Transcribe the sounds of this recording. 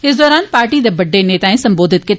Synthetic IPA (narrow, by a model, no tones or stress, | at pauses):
ɦɪsd̪ɔːɾaːnpaːɾʈid̪ɐbɐɖːeneːt̪aːẽsɐ̃mboːd̪ʱɪt̪ke